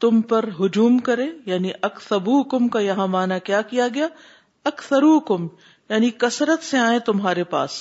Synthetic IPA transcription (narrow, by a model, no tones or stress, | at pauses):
t̪ʊmpɐɾɦʊd͡ʒuːmkɐɾẽːjaːniʔɐkθɐbuːkʊmkajɐɦãmaːnakjaːkijaɡɐjaː | ɐkθɐɾuːkʊm | jaːnikɐsɾət̪seaːẽt̪ʊmɦaːɾepa̰ːs